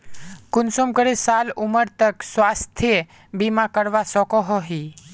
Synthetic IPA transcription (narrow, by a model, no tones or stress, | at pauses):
kʊnsomkəɾesaluməɾt̪əksʋast̪ʰie | bimãkəɾʋasɔkɔɦɔɦi